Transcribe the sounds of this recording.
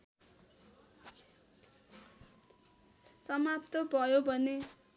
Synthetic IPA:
t͡sʌmap̚t̪ʌbʱʌjobʱʌne

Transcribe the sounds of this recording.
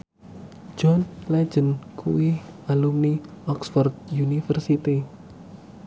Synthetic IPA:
d͡ʒ̥ɔnlɛ̥d͡ʒənkʰṵwialumniɔksfɔrd̪̚junifərsit̪i

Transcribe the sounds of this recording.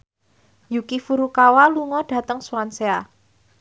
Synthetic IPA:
jukifuɾukawaluŋɔɖ̥a̤t̪əŋsuwansea

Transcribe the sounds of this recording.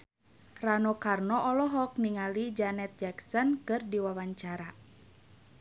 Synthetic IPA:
ranɔkarnɔʔɔlɔɦɔk̚niŋalid͡ʒanɛt̪̚d͡ʒaksɔnkɨrdiwawaɲt͡ʃaɾa

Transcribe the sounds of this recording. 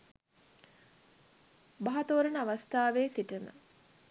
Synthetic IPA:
baɦat̪oːɾənəaʋast̪aːʋeːsiʈəmə̰

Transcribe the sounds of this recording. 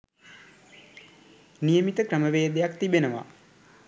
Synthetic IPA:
nijəmit̪əkrəməʋeːd̪ejakt̪ibenəʋa̰

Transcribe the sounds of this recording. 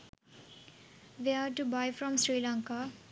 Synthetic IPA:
ʋiaʈubajfɾɔ̃msɾiːlãŋka

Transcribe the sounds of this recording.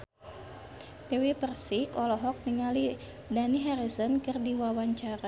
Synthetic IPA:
bɛwipərsikɔlɔɦɔk̚niŋali | daniɦɛɾisɔnkɨrdiwawaɲt͡ʃaɾa

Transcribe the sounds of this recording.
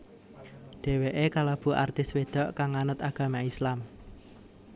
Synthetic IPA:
ɖ̪̥e̤weʔekalɔb̥ṳʔart̪ɪswed̪̥ɔ̤ʔkaŋːanʊt̪aɡ̥ä̤maislam

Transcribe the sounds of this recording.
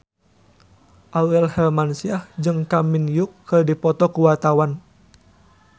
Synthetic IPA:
ʔawɛlhɛlmansiahd͡ʒɨŋkaminjukʰːɨrdipɔt̪ɔkuwat̪awan

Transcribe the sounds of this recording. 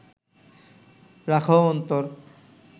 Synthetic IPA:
ɾakʰoɔnt̪oɾ

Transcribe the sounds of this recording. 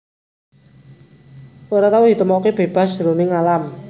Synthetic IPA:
ʔuɾat̪aud̪i̤t̪əmɔkeb̥e̤b̥a̤sɾunɪŋalam

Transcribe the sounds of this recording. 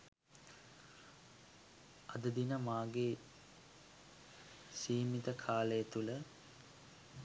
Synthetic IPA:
ɐd̪əd̪inəmaːɡe | siːmit̪əkʰaːləjət̪ulə

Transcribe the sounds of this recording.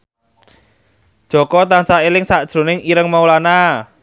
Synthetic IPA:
d̥ʒ̥ɔ̤kɔt̪ansaelɪŋsaʔd̥ʒ̥ɾo̤nɪŋiɾəŋmaulana

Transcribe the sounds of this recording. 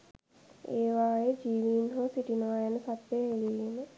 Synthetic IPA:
eːʋaːjed͡ʒiːʋiːnɦosiʈinaːjənəsɐt̪ːeɦeliene

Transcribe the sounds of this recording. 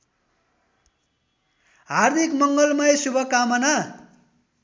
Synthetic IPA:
ɦard̪ʱikmʌŋɡʌlmʌjsubʱʌkamʌna

